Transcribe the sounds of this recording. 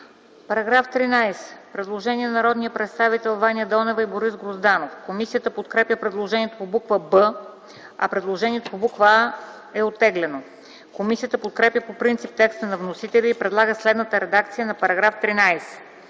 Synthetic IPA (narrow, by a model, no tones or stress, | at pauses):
pɐɾɐɡɾaft̪ɾinajsɛ̥pɾɛd̪lˠoʒɛniɛnnɐɾɔd̪nijəpɾɛt̪st̪avit̪ɛlˠvanijəd̪ɔnɛvəiboɾisɡɾozd̪anofkomisijət̪əpot̪kɾɛpjəpɾɛd̪lˠoʒɛniɛt̪opobukvəbə | ɐ̰pɾɛd̪lˠoʒɛniɛt̪opobukvəa | ɛot̪ːɛɡlɛno | komisijət̪əpot̪̚kɾɛpjəpopɾint̪sip̚t̪ɛkst̪ənɐvnosit̪ɛlʲiːpɾɛd̪lˠaɡəslɛd̪nət̪əɾɛd̪akt̪sijənɐpɐɾɐɡɾaft̪ɾinajsɛ̥